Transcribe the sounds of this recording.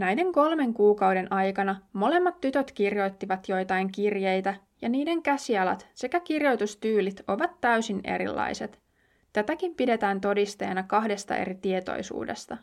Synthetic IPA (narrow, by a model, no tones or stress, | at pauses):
næjde̞ŋko̞lme̞ŋkuːkɑwde̞nʔɑjkɑnɑmo̞le̞mːɑt̪ːyt̪øt̪kirjo̞jt̪ːiʋɑt̪jo̞jt̪ɑjŋkirjejt̪æ | jɑniːde̞ŋkæsiɑlɑ̰t̪se̞kækirjo̞jt̪ust̪yːlit̪o̞ʋɑt̪ːæysine̞̰ɾḭlːɑ̰jse̞t̪ | t̪æt̪ækimpide̞t̪æːnt̪o̞dist̪ejɑnɑkɑhde̞st̪ɑ̰ʔe̞̰ɾit̪ie̞t̪o̞̰jsṵːde̞̰st̪ɑ